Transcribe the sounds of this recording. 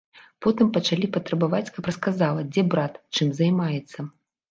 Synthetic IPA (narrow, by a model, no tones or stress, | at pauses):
pɔt̪ɨmpɐt͡ʂalʲipɐt̪ɾɐbavat͡sʲkapɾɐskazalˠɐd͡zʲɛbɾat̪t͡ʂɨmzajmajɛt̪sːɐ